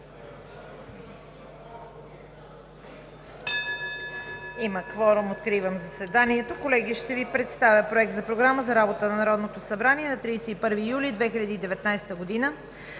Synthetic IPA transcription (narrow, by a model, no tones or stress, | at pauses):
iməkvɔɾʊmot̪kɾivəmzɐsɛd̪aniɛt̪okolɛɡʲiʃt̪ɛvipɾɛt̪st̪avʲəpɾoɛk̚t̪zɐpɾoɡɾaməzɐɾabot̪ənɐnɐɾɔd̪not̪osɐbɾaniɛnɐt̪ɾiːsɛipɤɾviːjulid̪vɛxiʎʲɐd̪iːd̪ɛvɛt̪najst̪əɡod̪inə